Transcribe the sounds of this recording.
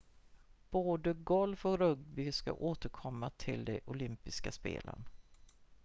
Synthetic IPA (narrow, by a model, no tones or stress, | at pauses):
b̥oːd̪əɡɔlfɔkɾɵɡbɪska̰ʔoːt̪əɾkʰɔmːat̪ʰɪld̪ɛʔʊlʏmpɪskaspḛːlʔə̰n